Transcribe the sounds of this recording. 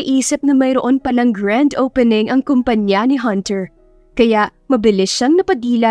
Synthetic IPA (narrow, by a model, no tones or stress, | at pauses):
ɪʔiːsɪp̚nɐmɐjɾoʔo̞npɐlaŋɡɹand̪owpɛnɪŋʔɐŋkompɐɲjanɪɦɐnt̪ɛɹ | kɐjaʔmɐbɪlɪsʃɐŋnɐpɐd̪iːlɐ